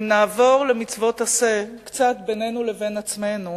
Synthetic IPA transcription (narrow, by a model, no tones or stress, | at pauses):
naːvo̞ʁle̞mit͡svo̞tase̞kt͡satbene̞nule̞ve̞nat͡sme̞nu